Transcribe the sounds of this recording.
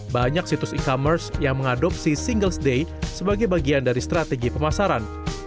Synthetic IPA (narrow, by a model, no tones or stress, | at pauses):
baɲak̚sit̪ʊsikɔmərsjaŋməŋadɔp̚sisiŋɡəlsdejsəbaɡajbaɡiandaɾist̪ɾat̪eɡipəmasaɾan